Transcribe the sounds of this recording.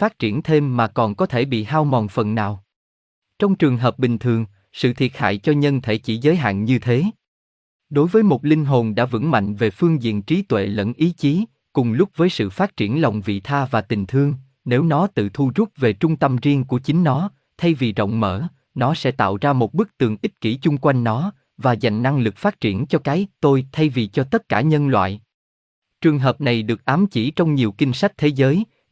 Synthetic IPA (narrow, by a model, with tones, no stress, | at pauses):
faː˦˥t̚t͡ɕi˧˩ənt̪ʰe˧mːaː˨˩kɔ˨˩nkɔ˨˦t̪ʰe˧˩ɓḭ˧˨ɦaː˧wmɔ˨˩nfə˨˩nːaː˨˩w | t͡ɕɔ˧wŋ͡mt͡ɕɨ˨˩əŋɦəː˨˩p̚ɓï˨˩ŋ̟t̪ʰɨ˨˩əŋ | sɨ̰˧˨t̪ʰi˨˩ət̚ha̰ː˧˨jt͡ɕɔ˧ɲə˧nt̪ʰe˧˩t͡ɕi˧˩˥zəː˨˦jɦa̰ː˧˨nɲɨ˧t̪ʰe˨˦ | ɗo˨˦jvəː˨˦jmo˨˩t̚lï˧ŋ̟ɦo˨˩nɗa̰ː˧˥vɨ̰˧˥ŋma̰˧˨jŋ̟ve˨˩fɨ˧əŋzḭ˧˨ənt͡ɕi˨˦t̪wḛ˧˨lə̰˧˥nʔi˨˦t͡ɕi˨˦ | kʊ˨˩ŋ͡mlʊ˦˥k͡p̚vəː˨˦jsɨ̰˧˨faː˦˥t̚t͡ɕi˧˩ənlə̰˨˧˨wŋ͡mvḭ˧˨t̪ʰaː˧vaː˨˩t̪ï˨˩ŋ̟t̪ʰɨ˧əŋ | ne˨˦wnɔ˨˦t̪ɨ̰˧˨t̪ʰu˧zʊ˦˥t̚ve˨˩t͡ɕʊ˧ŋ͡mt̪ə˧mzi˧əŋku˧˩ət͡ɕï˨˦ŋ̟nɔ˨˦ | t̪ʰa˧jvi˨˩zə̰˧˨wŋ͡mmə̰ː˧˩ | nɔ˨˦sɛ̰˧˥t̪a̰ː˧˨wzaː˧mo˨˩t̚ɓɨ˦˥k̚t̪ɨ˨˩əŋʔï˦˥t̚ki˧˩t͡ɕʊ˧ŋ͡mkwa˧jŋ̟nɔ˨˦ | vaː˨˩za̰˨jŋ̟na˧ŋlɨ˨˩k̚faː˦˥t̚t͡ɕi˧˩ənt͡ɕɔ˧kaː˨˦jt̪o˧jt̪ʰa˧jvi˨˩t͡ɕɔ˧t̪ə˦˥t̚kaː˧˩ɲə˧nlwa̰ː˧˨j | t͡ɕɨ˨˩əŋɦəː˨˩p̚na˨˩jɗɨ˨˩ək̚ʔaː˨˦mt͡ɕi˧˩t͡ɕɔ˧wŋ͡mɲi˨˩əwkï˧ŋ̟sa˦˥jk̟̚t̪ʰe˨˦zəː˨˦j